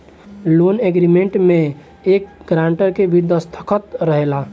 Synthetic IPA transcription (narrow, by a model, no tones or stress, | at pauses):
loːnɛɡɾimẽɳʈmẽ | eːk̚ɡɾaːɳʈəɾkebʱid̪əst̪ʰə̥kʰət̪ɾəɦelaː